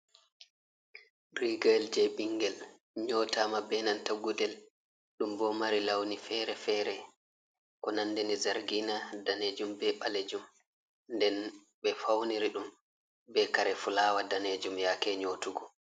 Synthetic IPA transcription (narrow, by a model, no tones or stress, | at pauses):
riɡald͡ʒɛɓiŋɡɛl | ɲɔːtamabɛnantaɡudɛl | ɗumbɔmaɾilawnifɛɾɛfɛːɾɛ | kɔnanːdɛnizaɾɡinadaned͡ʒumbɛɓaled͡ʒum | ndɛn | ɓɛfawniɾiɗum | bɛkaɾɛfulaːwadaned͡ʒumjakɛɲotuɡɔ